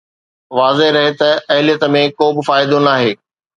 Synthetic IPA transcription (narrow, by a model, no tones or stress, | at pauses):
ʋaːzeɦɾɐɦet̪ɐɐɦɪlijət̪mẽkoːbɪ̆faːɪd̪onaːɦeː